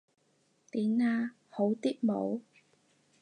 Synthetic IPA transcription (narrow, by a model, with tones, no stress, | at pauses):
t̪iː˨˥maː˧ | ho˨˥wt̪iː˥t̚mo̰˨˥w